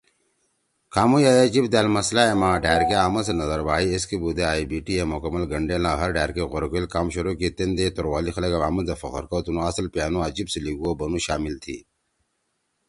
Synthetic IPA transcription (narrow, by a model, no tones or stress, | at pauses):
kʰaːmujaːjad͡ʑibd̪aːlmɐslaemãːɖæːɾkeaːmɐsenɐzɐɾbaːieskibud̪eaːibiːʈiemʊkɐmːɐlɡɐɳɖeːlãːɦɐɾɖʱaːɾkeɣʊɾɡilkaːmɕʊɾokit̪end̪et̪oɾwaːlixɐlɐkɐʋaːmɐnzefɐqə̰ɾkot̪unõɐslpjaːnõɐd͡ʑibseliɡuobɐnũʃaːmilt̪ʰḭː